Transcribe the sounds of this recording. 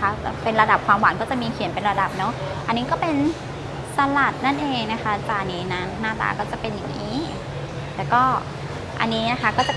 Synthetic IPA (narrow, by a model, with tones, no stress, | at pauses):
a˦˥˨pe˧nɾa˧da˨˩p̚kʰwaː˧mwa˨˩˦ŋkɔː˥˩t͡ɕa˨˩miː˧kʰi˨˩˦npe˧nɾa˧da˨˩p̚nɔ˦˥ | ʔa˧nːiː˦˥kɔː˥˩pe˧n | sa˧la˨˩t̪̚na˥˩nʔeː˧ŋna˦˥kʰa˦˥t̪ɛ˨˩ʔa˧˩niː˦˥na˦˥nːaː˥˩t̪a̰ː˧kɔː˥˩t͡ɕa˨˩pe˧nja˨˩ŋʔŋʔiː˦˥ | lɛː˨˩wkɔː˥˩ | ʔa̰˧nːiː˦˥na˦˥kʰa˦˥kɔː˥˩t͡ɕa˨˩